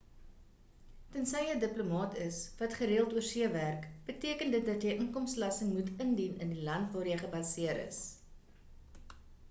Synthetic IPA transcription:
tənsɛjədəplomɑːtəsvɐtχəɾeəlˠtuərsiəværkb̥ətiəkəndət̚dɐtjəjʔəŋkɔmslɐsəŋmutəndinə̰ndilɐntvɑːrjəjχəbɐsiəɾə̰s

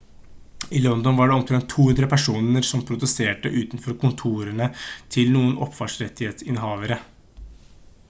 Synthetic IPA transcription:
ɪlɔnd̪ɔnʋɑːɖɛɔmk̪ʰɾɛnt̪ʰːuːhʉnd̪ɾəpʰæʂuːnnəɾsɔmpʰɾʊd̪ʉseːʈəʔʉːt̪nfɔɾkʊnt̪ʰuːɾəɳət̪ʰɪlnuːənʔɔpːfɑʂɾɛt̪ːɪheːt̪sɪnɦɑːʋəɾə

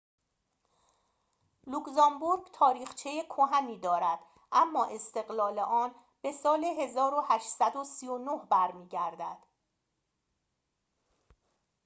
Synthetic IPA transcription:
lukzɒmbuɾɡt̪ʰɒːɾiːxt͡ʃʰe̞jekʰoɦæmiːd̪ɒːɾæd̪̥ | ʔæmːɒːʔe̞st̪e̞ɣlɒːleʔɒːn | b̥e̞sɒːleɦe̞zɒːɾohæʃsæd̪o̞sijonohbæɾmiːɟæɾd̪æd̪̥

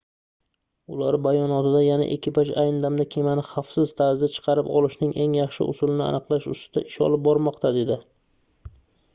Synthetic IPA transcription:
ʊlaɾbajɒnɒt̪ɪd̪ajana̰ʔḛkʲʰːɪpat͡ʃajnɪd̪amd̪akʲʰe̞manɪχafsɪzt̪ʰazd̪ɪt͡ʃʰɨ̥qʰɑɾɪpɒ̰lˠɪʃnɪŋʔe̞ŋjɑχʃɪ̰ʔʊ̰sʊlɪnɪa̰nɨqlˠaʃʊ̰st̪ɪd̪̥a̰ʔɪʃɒ̰lˠɪp̚bɒɾmɒqt̪ʰad̪e̞d̪ɪ

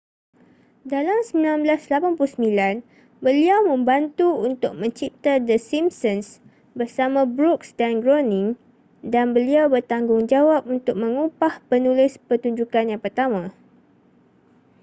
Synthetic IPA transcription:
dalamsəmilanblaslapanpulusəmĩlan | bəliawmə̃mbant̪uunt̪ʊk̚mə̃ɲt͡ʃip̚t̪adəsimsəns | bərsamãbɾuksdanɡɾonɪ̃ŋ | danbəliawbərt̪aŋɡʊŋd͡ʒawap̚unt̪ʊk̚mə̃ŋupahpənulɪspərt̪uɲd͡ʒukanjaŋpərt̪amã

